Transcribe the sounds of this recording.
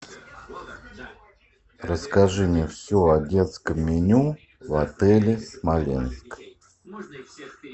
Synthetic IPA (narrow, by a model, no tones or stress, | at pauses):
rəskaʐɨnʲɪfsʲoadʲe̞t̪skəmːʲɪnʲu | vat̪ɛlʲɪsmalʲḛnsk